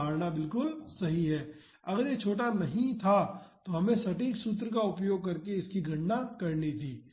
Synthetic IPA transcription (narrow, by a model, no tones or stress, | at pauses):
aːɾnabɪlkʊlsɐɦiɦɛː | ɐɡəɾjet͡ʃʰoːʈ̬anɐɦĩt̪ʰat̪oɦɐmẽsɐʈiːksut̪ɾək̬aʊpjoːɡ̚kɐɾkeɪskiɡʱɐ̃ɳnakɐɾnit̪ʰiː